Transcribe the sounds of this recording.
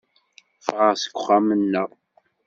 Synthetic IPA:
fʁəsə̥kʷːʊχamənːæ

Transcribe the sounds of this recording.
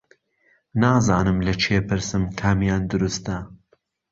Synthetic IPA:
naːzaːnɨmlɐt͡ʃʰepɨɾsɨmkʰaːmjaːnd̪ʊɾust̪ɐ

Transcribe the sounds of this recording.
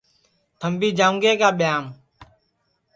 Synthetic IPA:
t̪ʰəmbiːd͡ʒaːũŋɡeːkaːɓɪjaːm

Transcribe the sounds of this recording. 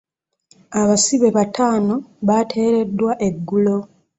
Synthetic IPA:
aβasiβe̞βatʰaːno̞βatʰe̞ːɾe̞dːwaʔe̞ɡːulo̞

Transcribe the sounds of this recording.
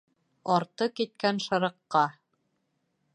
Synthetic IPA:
ɑɾt̪ɤkit̪̚kænʃɑɾɤ̆qːɑ

